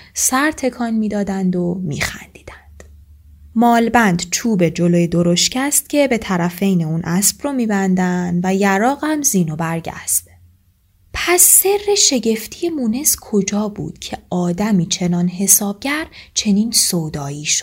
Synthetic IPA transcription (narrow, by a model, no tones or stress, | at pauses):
sæɾt̪ʰe̞kʰɒːnmiːd̪ɒːd̪ænd̪o̞mḭːxæ̰nd̪̥i̥ːd̪ænd̪̥ | mɒːlbænd̪t͡ʃʰuːbe̞d͡ʒo̞loːjed̪o̞ɾo̞ʃcʰæst̪̚cʲʰe̞be̞t̪ʰæɾæfe̞jneuːnʔæsb̥rɔmiːbænd̪ænd̪væjæɾɒːɣhæmziːnobæɾɟæ̰sb̥ | pʰæsːe̞rːe̞ʃe̞ɟe̞ft̪ʰije̞mune̞zkʰo̞d͡ʒɒːbṵːd̪̥cʰe̞ɒːd̪æmiːt͡ʃʰe̞nɒːnɦe̞sɒːb̚ɟæɾt͡ʃʰe̞niːnsoːd̪ɒːiːʃo̥